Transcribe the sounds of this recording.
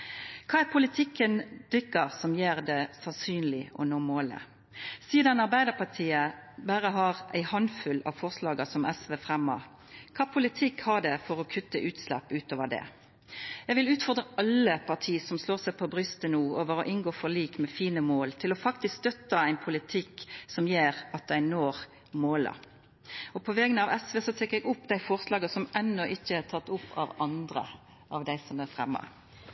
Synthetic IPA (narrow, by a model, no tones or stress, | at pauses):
kʰɑːæpʰʊlɪt̪ʰɪkːənd̪̥ʏkːəʁsɔmjeːʁd̪ɛsɑnsyːnlɪʔɔ̰noːmoːlə̰ | siːd̪ɑnɑʁbæɪd̪əʁpʰɑt̪ʰiːəbæːɾəɦɑʁæ̰ɪhɑnfʉlɑ̰ːʋfɔʁslɑːɡəsɔmʔɛsʋeːfʁɛmːə̰ʁ | kʰɑːpʰʊlɪt̪ʰɪkhɑɖ̪ɛfɔʁɔkʰʉt̪ːəʔʉːt̪slæ̰pːʉːt̪oːʋəd̪ɛ̰ | jɛɡʋɪlʉːt̪fɔʁd̪ʁəʔɑlːəpʰɑʁʈ̪ʰiːəsɔmsloːʁsæɪpʰɔbʁʏst̪ənuːoːʋəɾɔʔɪnɡoːfɔliːkmɛfiːnəmoːlt̪ʰɪlɔfɑk̚t̪ɪskst̪œt̪ːəæɪnpʰʊlɪt̪ʰɪkːsɔmjeːʁɑt̪̚d̪æɪnoːʁ | moːlə̰ | ɔpʰɔʋɛɡənɑʋɛsʋeːsɔt̪ʰɛːkːəɛɡʊpːd̪æɪfɔʁslɑːɡəsɔmʔɛnːɔʔɪçːəæʁt̪ʰɑt̪ːʊpʰːɑ̰ʋɑnd̪ɾə̰ | ʔɑʋd̪æɪsɔmæɾfʁɛmːɑ̰